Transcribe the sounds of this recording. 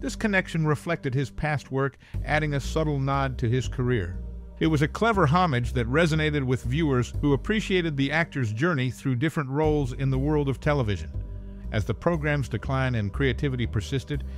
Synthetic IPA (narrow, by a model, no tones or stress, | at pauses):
ðɪskʰɨnɛkʃɨ̃n̩ɹɨflɛk̚tɨd̚ɨz̥pʰæst̚wɜ˞k | ʔæɾɪ̃ŋɨsʌɾl̩ˠnɑd̚tʰɨɪz̥kʰə˞ɪɹɨt̚wʌzɨkʰl̥ɛvə˞ɦɑmɨd͡ʒðɨt̚ɹɛzɨneɪɾɨd̚wɨðvjʉə˞z̥huəpʰɹ̥iʃieɪɾɨd̪̚ðiæk̚tʰə˞zd͡ʒɜ˞niθɹʉdɪfɹɨ̃nʔɹoʊlˠzɪ̃nðəwɜ˞lˠdʌv̥tʰɛlˠəvɪʒɨ̰̃n | ʔɨzðɨpʰɹ̥oʊɡɹæ̃mzdɨkʰl̥ãɪ̃nɨ̃nkʰɹ̥ieɪtʰɪvɨɾipʰə˞sɪstɨd̥̚